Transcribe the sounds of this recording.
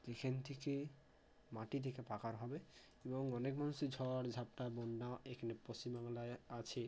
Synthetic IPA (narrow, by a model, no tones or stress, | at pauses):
d͡ʒekʰent̪ʰeke | maʈit̪ʰekepakaɾɦɔbe | ebɔŋɔnekmanusid͡ʑʱɔɽd͡ʑʱap̚ʈabɔɳɖaekʰanepɾost͡ɕimbaŋlaeat͡ɕʰe